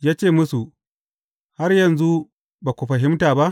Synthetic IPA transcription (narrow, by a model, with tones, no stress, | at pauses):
jaː˦t͡ʃeː˦˨mʊ˦su˨ | ha˦rjɐ˨nzu˦ | baː˨kʷu˨ɸɐ˨ɦɪ˦mtaː˨ba˦ʔ